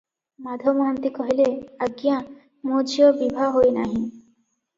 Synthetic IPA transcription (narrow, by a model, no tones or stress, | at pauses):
mad̪ʱomoɦɔnt̪ikɔɦileaɡijã | mod͡ʒʱiobibʱaɦojnaɦĩ